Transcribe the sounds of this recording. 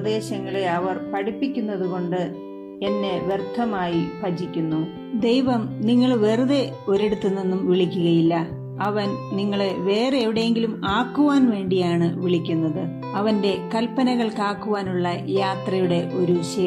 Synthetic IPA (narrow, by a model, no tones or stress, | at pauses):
d̪e̞ːɕɐŋːɐɭeɐʋɐrpɐɽipːikʲːunːɐðuɣo̞ɳɖɨ | enːe̞ʋert̪ʰːɐmaːjipɐd͡ʑikʲːunːu | d̪e̞jʋɐmniŋːɐɭʋe̞ruðe̞o̞ɾeɽut̪ːunːinːumʋiɭikʲːuɣɐjilːɐ | ɐʋɐnniŋːɐɭeʋe̞ːreeʋiɽejeŋɡilumaːkːuʋaːnʋe̞ːɳɖijaːɳɨʋiɭikʲːunːɐðɨ | ɐʋɐnde̞kɐlpːɐnɐɣɐɭkaːkːuʋaːnuɭːɐjaːt̪rɐjuɽe̞ʔo̞ɾuɕeː